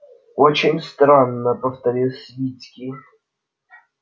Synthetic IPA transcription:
ot͡ɕɪnʲst̪ɾanːəpəft̪ɐɾʲilˠsʲvʲit͡sʲkʲi

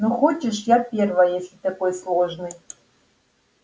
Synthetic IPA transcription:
nuχot͡ʃɪʂjapʲervɐjjesʲlʲit̪ɐkojslˠoʒnɨj

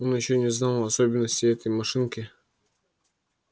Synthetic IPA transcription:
onjɪɕːonʲɪznalˠɐsobʲɪnːəsʲtʲɪɛt̪əjmɐʂɨnkʲɪ

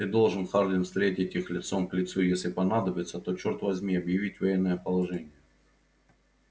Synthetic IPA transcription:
ɨd̪o̞lˠʐɨnkaʐd̪ʲɪmfst̪ɾʲetʲɪtʲixlʲɪt̪so̞mklʲɪt̪sujesʲlʲɪpɐnad̪əbʲɪt̪sət̪o̞t͡ɕort̪vɐzʲmʲiɐbjɪvʲitʲvɐjenːəjəpəlˠɐʐɛnʲɪjə

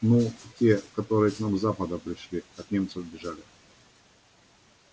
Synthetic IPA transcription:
nutʲekɐt̪oɾɨjəknamzapəd̪əpɾʲɪʂlʲiɐt̪nʲemt̪səvbʲɪʐalʲɪ

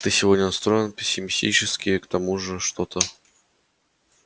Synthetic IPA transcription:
t̪ɨsʲɪvodʲnʲənɐst̪ɾo̞jɪnpʲɪsʲːɪmʲɪsʲtʲḭt͡ɕɪskʲɪjkt̪ɐmuʐɨʂt̪o̞t̪ʰə

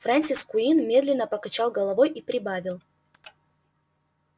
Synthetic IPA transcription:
fɾanʲsʲiskʊinmʲe̞d̪lʲɪnːəpəkɐt͡ɕalˠɡəlˠɐvojʔipɾʲɪbavʲɪlˠ

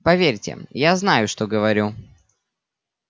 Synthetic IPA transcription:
pɐvʲeɾʲtʲɪ̰jaznajʊʂt̪oɡəvɐɾʲu

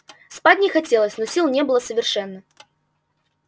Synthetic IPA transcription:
spadʲnʲɪxɐtʲelˠəsʲnɔsʲilˠnʲebɨlˠəsəvʲɪrʂɛnːə

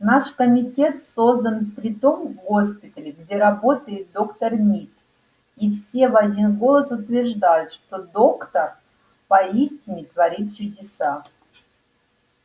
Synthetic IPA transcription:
naʂkəmʲɪtʲe̞t̪sozd̪ənfpɾʲɪt̪o̞mvɡo̞spʲɪt̪əlʲɪɡdʲe̞ɾɐbo̞t̪əjɪt̪̚d̪o̞kt̪ərmʲit̪ | ifsʲe̞vɐdʲinɡo̞lˠəsʊt̪vʲɪrʐd̪ajʊt̪ʂt̪o̞d̪o̞kt̪ər | pɐisʲtʲɪnʲɪt̪vɐɾʲit̪̚t͡ɕʊdʲɪsa

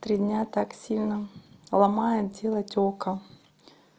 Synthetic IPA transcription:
t̪ɾʲid̪ʲnʲat̪aksʲilʲnəlˠɐmajɪdʲelˠətʲokə

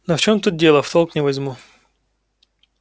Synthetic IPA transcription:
noft͡ɕomt̪ut̪̚dʲelˠəft̪olˠknʲɪvɐzʲmu

